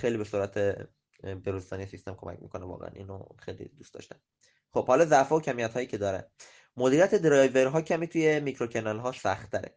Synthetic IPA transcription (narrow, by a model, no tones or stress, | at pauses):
xejlibe̞suːɾæt̪ʰe | beɾuzd̪ɒːnijesist̪e̞mkʰomæ̰cmḭːkʰo̞nevɒ̰ːɣḛæ̰nʔḭːno̰xejlḭd̪ust̪ɒ̰ːʃt̪æn | xob̥hɒlɒːzæʔfɒːocʰæmijæt̪hɒːjiːcʰe̞d̪ɒːɾæ̰n | mod̪iɾiæt̪ʰe̞d̪ɾɒjveɾɦɒːcʰæmiːt̪ʰuje̞micʰɾocʰenɒlɦɒːʃsæxt̪ʰːæɾḛ